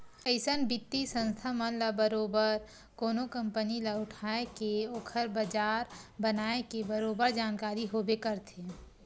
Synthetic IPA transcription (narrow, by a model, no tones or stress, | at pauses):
əɪsənbɪt̪ːisə̃nst̪ʰamənlabəɾoːbəɾ | koːnokə̃mpənilaʊʈʰaːekeoːkʰəɾbəd͡ʒaːɾbənaːekebəɾoːbəɾd͡ʒaːnkaːɾiɦoːbekəɾt̪ʰe